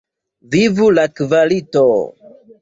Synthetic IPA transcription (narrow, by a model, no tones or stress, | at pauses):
vivulakivalito